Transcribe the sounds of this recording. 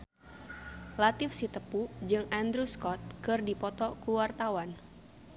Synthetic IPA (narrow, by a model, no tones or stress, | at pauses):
lat̪ɪfsit̪əpud͡ʒɨŋand̪ɾuskɔt̪̚kɨrdipɔt̪ɔkuwart̪awan